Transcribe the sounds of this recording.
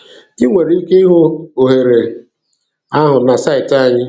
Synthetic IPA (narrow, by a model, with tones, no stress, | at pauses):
ɪ˦ŋʷe˨ɾi˦ke˦i˦ɦo˦o˨ɦe˨ɾe˨ | a˦ɦʊ˨na˨sa˦˨ɪ˨ta˦˨ɲɪ˦